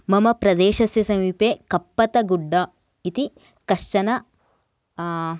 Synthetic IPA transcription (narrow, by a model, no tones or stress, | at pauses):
mɐmɐpɾɐd̪eːʃɐsjɐsɐmiːpeːkɐpːɐt̪ɐɡuɖːɐ | it̪i | kɐʂt͡ʃɐnɐ